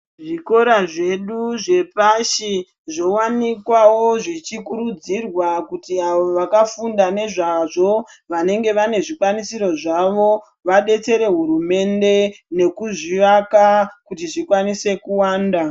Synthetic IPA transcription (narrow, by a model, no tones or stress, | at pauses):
ʐiko̞ɾaʐe̞ɗuʐe̞paʃi | ʐo̞wanikwawo̞ʐit͡ʃikuɾud͡zirwakutiaʋoʋakafundane̞ʐaʐo̞ʋane̞ŋɡe̞ʋane̞ʐikwanisiɾo̞ʐaʋo̞ | ʋaɗe̞t͡se̞ɾe̞ɦuɾume̞nde̞ne̞kuʐiʋakakutiʐikwanise̞kuwaːnda